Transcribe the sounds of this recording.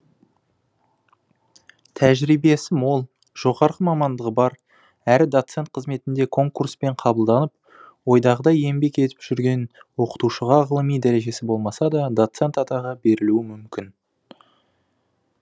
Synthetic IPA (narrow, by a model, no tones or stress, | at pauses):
t̪ʰæʒɾijbe̞sɪmwo̞lˠ | ʒ̥o̞ʁɑɾʁəmɑmɑnd̪əʁəbɑɾ | æɾɪd̪o̞t̪se̞nt̪̚qʰəzme̞t̪ɪnd̪e̞kʰo̞ŋkurspe̞ɴqʰɑbəlˠd̪ɑnəp̚ | wo̞jd̪ɑʁəd̪ɑje̞mbe̞ke̞t̪ɪ̥pʒ̥ʏɾɡʲe̞nwo̞qə̥t̪uʃəʁɑʁəlˠəmijd̪æɾe̞ʒe̞sɪbo̞lˠmɑsɑd̪ɑd̪o̞t̪se̞nt̪ɑt̪ɑʁɑbe̞ɾɪluɪmʏmkʲɪn